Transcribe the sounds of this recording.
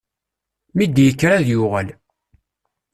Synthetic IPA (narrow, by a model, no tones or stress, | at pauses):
mid̪jəkːɾaðjʊʁəl